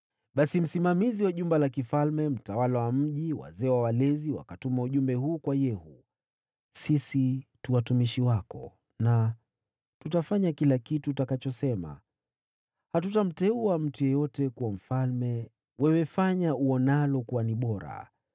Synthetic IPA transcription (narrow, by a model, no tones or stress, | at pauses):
ɓasim̩simamiziwaʄumbalakifalmɛm̩tawalawam̩ʄiwa̰zɛːwawalɛziwa̰katumauʄumbɛhuːkwajɛhu | sisituwatumiʃiwakɔ̰ | na | tutafaɲakilakitutakat͡ʃɔsɛma̰ | hatutam̩tɛuam̩tujɔjɔtɛkuwam̩falmɛ | wɛwɛfaɲauɔnalɔkuwaniɓɔɾa̰